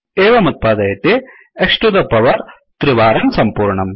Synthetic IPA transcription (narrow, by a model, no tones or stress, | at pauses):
eːʋɐmɐt̪̚paːd̪ɐjɐt̪ːe | ekʂʈud̪ɐpːɐʋɐɾ | t̪ɾɪʋaːɾɐnsɐmpuːɾɳɐm